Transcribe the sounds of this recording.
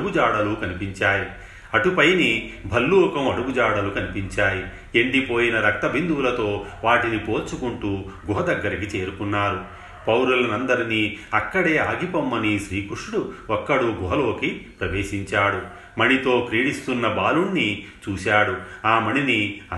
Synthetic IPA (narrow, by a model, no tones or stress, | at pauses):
ɡud͡ʒaːɽɐlukɐnipiɲt͡ʃaːji | ɐʈupɐjnibʱɐlːuːɐkɐmɐɽuɡud͡ʒaːɽɐlukɐnipiɲt͡ʃaːji | eɳɖipo̞ːjinɐɾɐk̚t̪ɐbind̪uwːlɐt̪o̞ːʋaːʈinipo̞ːt͡ʃukuɳʈuːɡuɦɐd̪ɐɡːɐɾikit͡ʃe̞ːɾukunːaːɾu | pɐwɾulɐnɐnd̪ɐɾiniɐkːɐɽe̞ːaːɡipɐmːɐniʃɾiːkɾuɾʂuɽuɔkːɐɽuɡuɦɐlo̞ːkipɾɐʋe̞ːʃiɲt͡ʃaːɽu | mɐɳit̪o̞ːkɾiːɽist̪unːɐbaːluɳːit͡ʃuːʃaːɽuaːmɐniniɐ